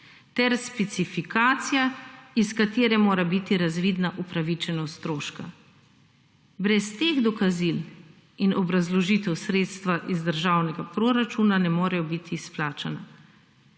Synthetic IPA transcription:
t̪ɛɾspɛt̪sifikaːt̪sijaiskat̪eːɾɛmoːɾabit̪iɾazʋiːd̪naʔupɾaʋit͡ʃɛnɔst̪ɾoːʃka̰ | bɾɛst̪eɣd̪ɔkazil | inɔbɾazlɔʒiːt̪ɛwsɾeːt̪st̪ʋaʔizd̪əɾʒaːwnɛɡapɾoɾat͡ʃuːnanɛmoːɾɛjɔbit̪ʰisplaːt͡ʃana

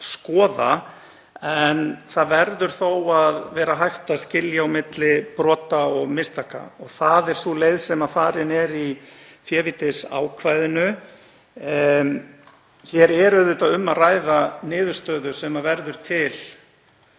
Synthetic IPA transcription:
skɔːða | ɛnθaðvɛɾðʏɾ̥θowaðvɛːɾaɦajht̪ascɪljaawmɪt̪lɪpɾɔːt̪aɔɣmɪst̪ʰaka̰ɔɣθaðɛɾ̥suleːjðsɛmaðfaːɾɪnɛɾi | fjɛːvit̪ɪsa̰ːwkʰvajðɪnʏ | çɛɾɛɾœðʏt̪aðʏmːaraːjðanɪːðʏɾ̥st̪œːðʏsɛmavɛɾðʏɾ̥t̪ʰɪl̥

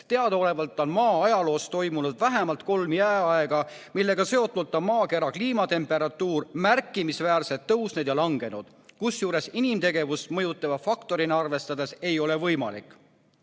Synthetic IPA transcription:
t̪eɑd̪ɑo̞le̞vɑlt̪ːˑo̞nmɑːɑjɑlo̞ːst̪o̞jmunud̪væɦemɑlt̪ko̞lmijæeɑe̞ɡ̥ɑ | milːe̞ɡ̥ɑse̞o̞t̪ːˑult̪ːˑɑmɑːke̞ɾɑkliːmɑt̪e̞mpːˑe̞ɾɑt̪ːuːrmærkːˑimisvæːrset̪ːɤwsned̪̥jɑlɑŋɡe̞nud̪̥ | kusjuːɾe̞sinimt̪e̞ɡe̞vusmɤjut̪ːˑɑvɑfɑkt̪o̞ɾinɑrve̞st̪ɑd̪e̞se̞jo̞le̞vɤjmɑ̰lḭkːˑ

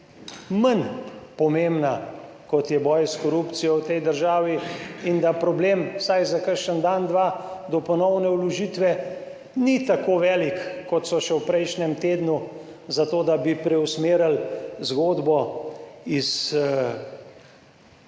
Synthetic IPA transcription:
mənpɔmembna | kɔt̪jɛbɔːjskɔɾupt̪sijɔwt̪ɛjd̪əɾʒaːʋiind̪apɾɔbleːmsajzakəɾʃənd̪and̪ʋad̪ɔpɔnɔwnɛwlɔʒiːt̪ʋɛ | nit̪akoʋɛːlikːɔt̪sɔʃɛwpɾɛjʃnɛmt̪eːd̪nu | zat̪oːd̪abipɾɛwsmeːɾalzɡoːd̪bɔ | is

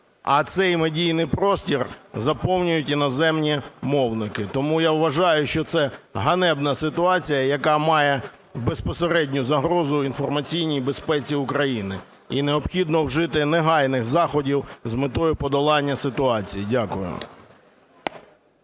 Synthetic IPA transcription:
ɐt̪sɛjmedʲijnɪjpɾɔsʲtʲirzɐpɔwnʲʊjʊtʲinɔzɛmnʲimɔwnɪkɪt̪ɔmujaʋʋɐʒɑjʊʃt͡ʃɔt̪sɛɦɐnɛbnɐsɪt̪ʊɑt͡sʲijɐjɐkɑmɑjɛ | be̞spɔseɾɛdʲnʲʊzɐɦɾɔzʊinfɔrmɐt͡sʲijnʲijbespɛt͡sʲiʊkɾɐjinɪ | ineɔpxʲid̪nɔwʒɪt̪ɪneɦɑjnɪxzɑxɔdʲiwzmɪt̪ɔjʊpɔd̪ɔlˠɑnʲːɐsɪt̪ʊɑt͡sʲijidʲakʊjʊ̰

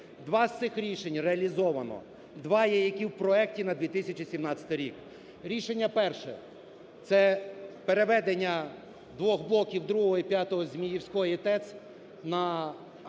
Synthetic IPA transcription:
d̪ʋɑst̪sɪxɾʲiʃenʲreɐlʲizɔʋɐnɔ̰ | d̪ʋɑjɛjɐkʲiwpɾɔɛktʲinɐd̪ʋʲit̪ɪsʲɐt͡ʃisʲimnɑt͡sʲɐ̥t̪ɪɾʲik | ɾʲiʃenʲːɐpɛrʃɛ̰ | t̪sɛpe̞ɾeʋɛd̪enʲːɐ | d̪ʋɔxblˠɔkʲiwd̪ɾuɦɔɦɔipʲjat̪ɔɦɔzʲmʲijiwsʲkɔjit̪ɛs | nɐ

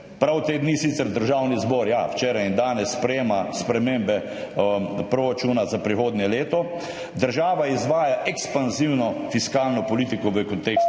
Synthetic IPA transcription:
pɾawt̪eːd̪nisit̪sɛɾd̪əɾʒaːwnizbɔɾja̰wt͡ʃeːɾajind̪aːnɛsːpɾɛjeːmaspɾɛmembɛ | pɾoɾat͡ʃunazapɾixoːd̪njɛleːt̪ɔ | d̪əɾʒaːʋaizʋaːjaʔɛkspanziwnɔfiskaːlnɔpɔliːt̪ikɔʋəkɔnt̪eːks

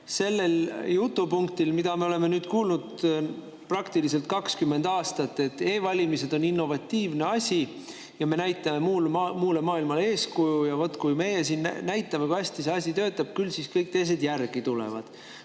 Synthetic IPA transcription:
se̞lːe̞ljut̪ːˑupuŋkt̪ilmid̪̥ɑme̞o̞le̞me̞nyːd̪̥kuːlnud̪̥ | prɑkt̪ilis̬e̞lt̪̚kɑkskymːe̞nd̪̥ɑːst̪ɑt̪ːe̞t̪ːe̞ːvɑlʲimise̞d̪̥o̞ninːo̞vɑt̪ʲːiːvne̞ɑsʲi | jɑme̞næjt̪ːˑɑme̞muːlmuːlemɑːilmɑle̞ːskujujɑvo̞t̪ːˑkujme̞jesiːnnæjt̪ːˑɑme̞kujæsʲt̪iseɑsʲit̪ø̞ːt̪ːˑɑb̥kylsiskɤjk̚t̪e̞js̬e̞d̪jærɡ̥it̪ulḛvɑ̰d̪̥

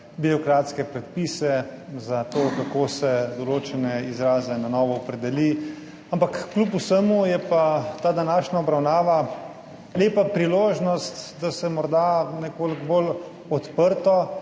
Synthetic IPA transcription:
biɾɔkɾaːt̪skɛpɾɛt̪̚pisɛzat̪okakoːsɛd̪ɔloːt͡ʃɛnɛizɾaːzɛnanɔːʋɔɔpɾɛd̪ɛli | ampakːlupusəmujɛpat̪aːd̪anaːʃnaɔbɾawnaːʋa | leːpapɾiloːʒnɔst̪d̪asɛmɔɾd̪anɛkoːlɡbol | ɔt̪pəɾt̪ɔ

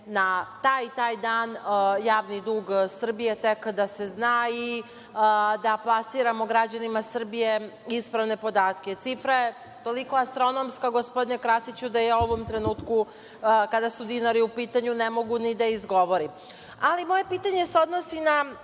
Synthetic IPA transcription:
nat̪aːjt̪aːjd̪aːnjaːʋnid̪uːɡsr̩bije̞t̪e̞kd̪ase̞znaːi | d̪aplˠasiɾamo̞ɡɾad͡ʑanimasr̩bijeispɾaʋne̞po̞d̪aːt̪ke̞t̪sifɾaje | t̪o̞liko̞ast̪ɾo̞nomskaɡo̞spod̪inekɾasit͡ɕud̪ajauo̞ʋo̞mt̪ɾe̞nuːt̪ku | kad̪asud̪inaɾiupiːt̪aɲunemo̞ɡunid̪aizɡo̞ʋo̞ɾim | alimo̞je̞piːt̪aɲe̞seo̞d̪nosina

